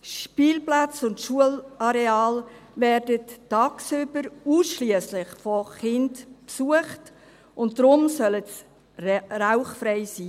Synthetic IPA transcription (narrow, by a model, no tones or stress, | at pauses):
ʃpiːlplat͡sʊntʃuəlɑɾeɑːl | vɛːɾdəttɑːksʏbəɾuːsʃliəslɪχfɔχɪndpsuəχt | ʊnt̚dɾʊmsœləts | raʊχfɾeɪsiː